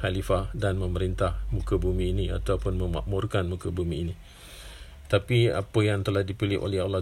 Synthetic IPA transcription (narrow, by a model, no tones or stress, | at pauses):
halifadanmə̃məɾint̪ahmũkəbumĩːnĩa̰t̪awpʊnmə̃ma̰ʔmʊrkanmũkabumiːni | ət̪apia̰pəjaŋt̪əlahdipilɪ̰ʔo̰lɛɦalːah